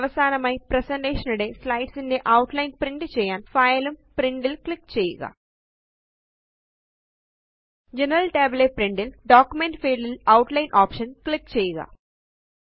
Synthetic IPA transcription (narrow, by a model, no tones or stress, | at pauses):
ʋɐsaːnɐmɐjpɾɐsɐɳʈeːʂɐnuɽeːslɐjʈsinːeːʔɐwʈlɐjnpɾiɳʈt͡ʃɛːjaːnpʰɐːjɐlumpɾiɳɖilklikt͡ʃeːjḭɡa̰ː | d͡ʒenɐɾɐlʈeːblepɾiɳɖilɖaːkjumeɳʈpeːɖilɐwʈlɐjnʔaːpʂɐnklikt͡ʃɛːjiɡa̰ː